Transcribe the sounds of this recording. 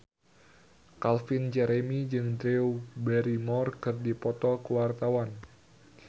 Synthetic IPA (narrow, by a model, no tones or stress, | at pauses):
kalfind͡ʒɛɾemid͡ʒɨŋd̪ɾeubɛɾimɔrkɨrdipɔt̪ɔkəwart̪awan